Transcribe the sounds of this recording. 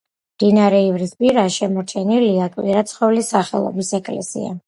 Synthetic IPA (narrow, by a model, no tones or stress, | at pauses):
md̪̥inaɾɛivɾispʼiɾaʃɛmɔɾt͡ʃʰɛniliakʼwiɾat̪sʰχɔvlisaχɛ̰lˠɔ̰bisɛkʼlɛ̰sḭa̰